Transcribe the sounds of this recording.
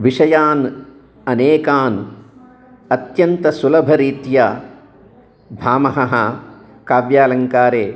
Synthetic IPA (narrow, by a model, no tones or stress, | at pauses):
ʋiʂɐjaːn | ɐneːkaːn | ɐt̪jɐnt̪ɐsulɐbʱɐɾiːt̪ja | bʱaːmɐɦɐɦɐ | kaːʋjaːlɐŋkaːɾeː